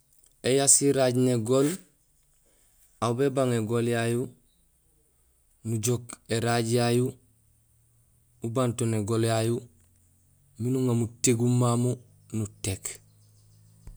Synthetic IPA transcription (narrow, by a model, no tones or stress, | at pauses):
ejasiɾaɟneɡol | aubebaŋeɡoljaju | nuɟokeɾaɟjaju | ubantoneɡoljaju | minuŋamuteɡumːamu | nutek